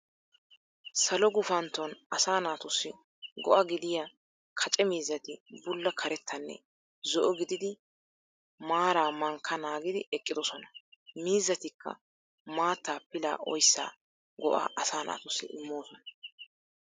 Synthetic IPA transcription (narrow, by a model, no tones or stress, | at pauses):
sɐlɔɡʊfɐnt̪ːɔnɐsaːnaːt̪ʊsːɪ | ɡɔ̰ʔɐɡɪd̪ɪja | kʰɐt͡ʃʼɛmiːzːɐt̪ɪbʊlːɐkʰɐɾɛt̪ʰːɐnːɛ̰ | zɔʔɔɡɪd̪ɪd̪ɪ | maːɾaːmɐŋkʰːɐnaːɡɪd̪ɪʔɛkʼːɪd̪ɔsɔnɐ̥miːzːɐt̪ɪkːɐ̰ | maːt̪ːaːpɪla̰ːʔɔ̰jsːa̰ː | ɡɔʔa̰ːʔɐsaːnʔa̰ːt̪ʊsːɪ̰ʔɪmːoːsɔnɐ